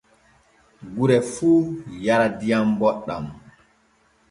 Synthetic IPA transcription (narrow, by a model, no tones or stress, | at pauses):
ɡuɾɛfuːjaɾadijambɔɗːa̰m